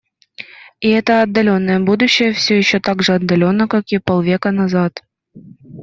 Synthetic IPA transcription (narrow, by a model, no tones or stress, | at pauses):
iɛt̪əɐd̪ːɐlʲo̞nːəjəbud̪uɕːɪjəfsʲojɪɕːot̪aɡʐɨɐd̪ːɐlʲo̞nːəkakʲipolˠvʲekənazɑt̪